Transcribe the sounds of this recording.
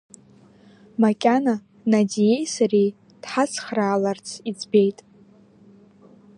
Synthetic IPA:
makʲʼana | nadije̞jsarij | d̥ħat͡sʰχraːlart͡sʰid͡zbe̞jtʼ

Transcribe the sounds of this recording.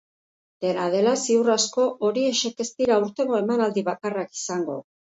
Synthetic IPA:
d̪̥e̞naðe̞lasiurasko̞ʔoɾie̞ʃe̞ke̞st̪iɾauɾt̪e̞ŋɡo̞e̞manald̪iβakaraki̥saŋɡo̞̰

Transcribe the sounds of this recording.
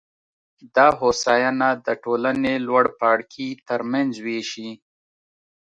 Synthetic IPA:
d̪ɑɦosɑjanad̪əʈolanelwaɽpɑːɽkʰit̪əɾmanzweʃi

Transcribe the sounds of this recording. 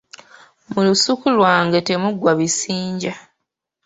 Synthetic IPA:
mulusukulwaːŋɡete̞muɡwaβisiːɲɟa

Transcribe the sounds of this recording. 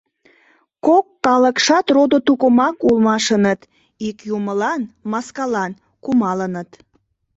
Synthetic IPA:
kokːɑləkʃɑt̪rod̪ot̪ukomɑkulmɑʃənət̪ | ikjuməlɑnmɑskɑlɑn | kumɑlənət̪

